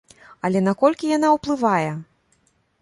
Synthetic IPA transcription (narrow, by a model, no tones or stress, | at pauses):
ɐlʲɛn̪akɔlʲkʲijan̪awplˠɨvajɛ